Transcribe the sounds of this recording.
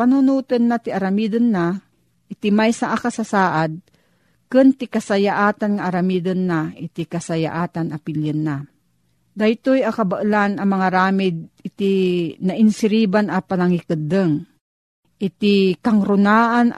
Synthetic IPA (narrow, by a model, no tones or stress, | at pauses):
panunuːt̪ənːat̪ɪaɾamid̪ənːa | ʔɪt̪imajsaʔakasasaːʔad̪̚ | kɨnt̪ɪkɐsajaʔaːt̪anŋaʔaɾamiːd̪ənːaɪt̪ikasaja̰ʔaːt̪anɐpiljənːa | d̪ajt̪ojakɐbɐʔlanɐmɐŋaɾaːmɪd̪̚ɪt̪inɐʔɪnsɪɾiːbanʔɐpanaŋikɨd̪əŋ | ʔɪt̪ikaŋɾʊnaːʔan